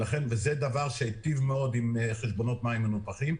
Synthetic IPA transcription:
laχenvezed̪avaʁʃeit̪ivmeo̞dimχeʃbo̞no̞t̪maimenupaχim

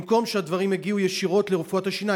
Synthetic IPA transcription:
mko̞mʃead̪vaʁimeɡiujeʃiʁo̞t̪le̞ʁufuataʃina

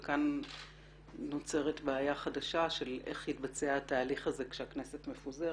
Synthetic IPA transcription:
kan | o̞t͡se̞ʁetbaːjaχadaʃaʃe̞lʔe̞χhitbat͡seahataːliχazekʃeaknese̞tme̞fuze

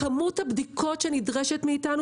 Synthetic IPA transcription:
amuthabd̪ikʰo̞tʃenidʁɛʃetmiitanu

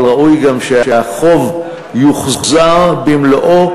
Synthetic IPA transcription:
lʁaʔujɡamʃeeaχo̞v | juχzaʁbimloʔo

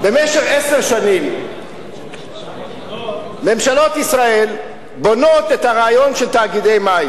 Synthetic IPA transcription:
be̞meʃeχeseʁʃanim | me̞mʃalo̞t̪isʁae̞l | bo̞no̞t̪et̪haʁaːjo̞nʃelt̪aːɡid̪e̞jmaj

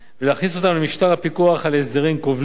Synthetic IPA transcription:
veleaχniso̞t̪amlemiʃt̪aʁhapikuaχalesdeʁimkovl

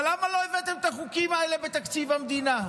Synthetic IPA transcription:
lamalo̞evet̪emet̪aχukimaele̞bet̪akt͡sivamd̪ina

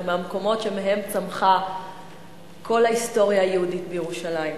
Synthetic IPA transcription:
meamko̞mo̞tʃemeɦe̞mt͡samχa | kʰo̞lhaisto̞ʁjaːjeuditbejeʁuʃalajim

